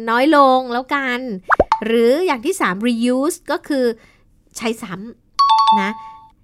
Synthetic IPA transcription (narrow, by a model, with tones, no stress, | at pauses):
nɔː˦˥jlo˧ŋlɛː˦˥wka˧nɾɯː˩˦jaː˨˩ŋt̪ʰiː˥˩saː˩˦mɾiː˧juː˦˥skɔː˥˩kʰɯː˧ | t͡ɕʰa˧jsa˩˦m | na˦˥